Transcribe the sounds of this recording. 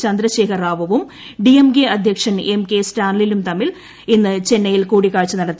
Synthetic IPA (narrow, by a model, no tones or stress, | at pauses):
t͡ɕɐnd̪ɾɐɕeːkʰɐraːʋɐʋum | ɖiemkeɐd̪ʱjɐkʂɐnʔemke̞staːnɐlilumt̪ɐmːil | inːɨt͡ɕe̞nːɐjilkuːɽikːaːɻt͡ɕːɨnɐɽɐt̪ː